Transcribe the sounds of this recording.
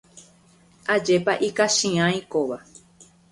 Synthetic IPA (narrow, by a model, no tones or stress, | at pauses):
ad͡ʒe̞paʔikaʃĩãj̃koʋa